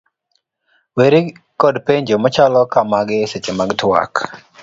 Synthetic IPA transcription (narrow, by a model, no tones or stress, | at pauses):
weɾi | kɔdpeɲd͡ʒomɔt͡ʃalɔkamaɡɪset͡ʃemaɡtwa̰k